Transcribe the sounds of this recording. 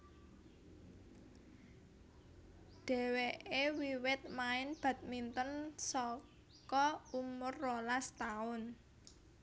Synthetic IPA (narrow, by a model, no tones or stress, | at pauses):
ɖ̥e̤weʔewiwɪt̪̚maɪnb̥ä̤t̪̚mint̪ənsɔ | kɔumʊrːolast̪aʊn